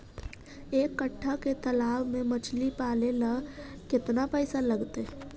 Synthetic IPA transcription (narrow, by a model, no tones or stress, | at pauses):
eːkːəʈʰːaket̪ɐlaːwmẽmɐt͡ʃʰlipaːleləkɪt̪napɛːɪsalɐɡt̪e